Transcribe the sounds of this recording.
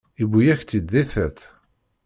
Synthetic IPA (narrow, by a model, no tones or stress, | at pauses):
ibujæçt͡s̪ːid̪ːeθæθ